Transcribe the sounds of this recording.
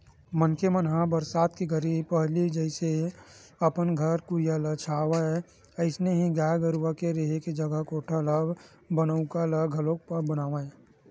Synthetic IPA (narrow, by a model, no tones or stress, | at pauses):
mənkemənɦãbəɾsaːd̪kiɡəɾipəɦlid͡ʒəɪse | əpənɡʱəɾkuɾijalət͡ʃʰaːʋaɛ | əɪsneɦiɡaːjɡəɾwakeɾeɦeked͡ʒəɡəkoːʈʰəlab | bənəʊkalaɡʱəlok̚pəɾbənaːʋaẽ